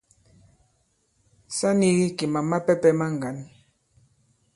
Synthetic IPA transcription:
sa˦ni˦ɣi˦ki˨ma˨ma˦pɛ˦pɛ˦ma˦ŋ˨ɡa˨˦n

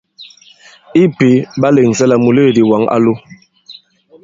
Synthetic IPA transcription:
i˦pi˨˦ba˦le˨ŋ˨sɛ˦la˨mu˨le˦˨di˨wa˨˦ŋa̰˦lu˦

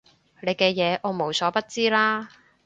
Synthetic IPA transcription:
le˨˧jkɛː˧jɛː˨˧ʔɔː˨˧mo˨˩wsɔː˨˥pɐ˥t̚t͡siː˥laː˥

